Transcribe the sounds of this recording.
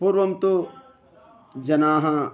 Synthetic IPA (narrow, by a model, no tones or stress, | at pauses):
puɾʋɐmt̪u | d͡ʒɐnaːɦɐ